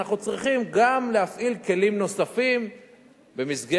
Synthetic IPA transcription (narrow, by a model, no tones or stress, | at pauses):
aχnut͡sʁiχimɡamlehafʔilke̞limno̞safim | bemisɡe